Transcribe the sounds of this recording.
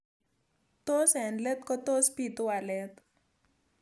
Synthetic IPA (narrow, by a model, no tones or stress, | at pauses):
t̪osɦɛnɖlɛt̪kɔt̪ospit̪uwalɛt̪